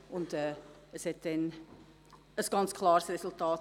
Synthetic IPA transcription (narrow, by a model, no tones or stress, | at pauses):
ʊntɛː | əshɛt̚dɛn | əsɡ̥ɑnt͡skʰlɑːɾsrɛsʊltʰɑːt